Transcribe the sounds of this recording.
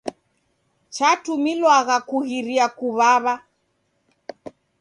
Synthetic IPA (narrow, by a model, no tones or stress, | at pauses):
t͡ʃatumilwaɣakuɣiɾiakuβaβa